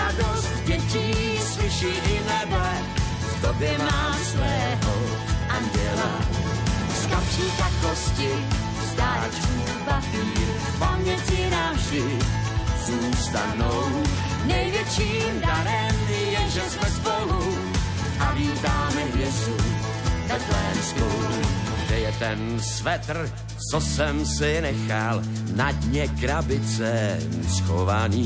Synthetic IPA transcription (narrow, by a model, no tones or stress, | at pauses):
adost̪vɛci | spɪʃiːʔɪnɛbɛ | t̪obɛmaaː | slɛɦo | ʔandɛla̰ | skapʂiːkat̪koscɪ | st̪aːt͡ʃku | baviː | pamɲɛcinavʒdɪ | zuːst̪adnow | nɛjvjɛt͡ʃiːmdaɾɛm | jɛʒɛsmɛzboɦu | ʔaviːt̪aːmɛɦvjɛst̪u | vɛdlɛːnskowu | ɡdɛjɛt̪ɛnsvɛt̪r̩ | t͡sosɛmsɪnɛxal | nad̪ɲɛkɾabɪt͡sɛsxovaniː